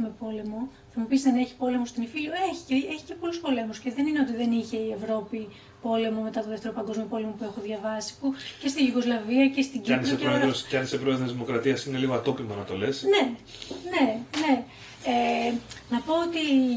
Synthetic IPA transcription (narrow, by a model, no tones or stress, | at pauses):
mepo̞le̞mo̞ | θɐmupissɐne̞çi̥po̞le̞most̪inifilioeçi̥ceeçi̥ce̞po̞luspo̞le̞musce̞ðe̞nineot̪iðe̞niçe̞ie̞vɾo̞pi | po̞le̞mo̞me̞t̪ɐt̪oðe̞ft̪eɾopɐŋɡo̞zmio̞po̞le̞mo̞pue̞xo̞ðʝɐvɐsi̥puce̞st̪ijuɣo̞zlɐviɐce̞st̪iɟanisepeɾooscɐnisepɾoeðɾozðimo̞kɾɐt̪iɐsine̞liɣoɐt̪o̞pimɐnɐt̪o̞̰le̞sne̞ | ne̞ne̞ | enɐpo̞ot̪i